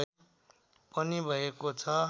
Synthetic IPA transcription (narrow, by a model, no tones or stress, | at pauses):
pʌnibʱʌjekot͡sʰʌ